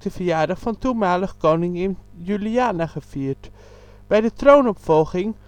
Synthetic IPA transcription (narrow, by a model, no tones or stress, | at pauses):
dəvijaːɹdɑχfɑntumaːləχkownɪŋɪnjyliaːnaχəfiːɹt | b̥ɛjdətrownɔpfɔlˠχɪŋ